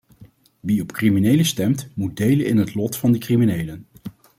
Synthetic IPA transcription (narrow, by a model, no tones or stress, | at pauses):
ʋiɔpkriminejləstɛmtmud̚dejlənɪnɦətlɔtfɑndəkriminejlən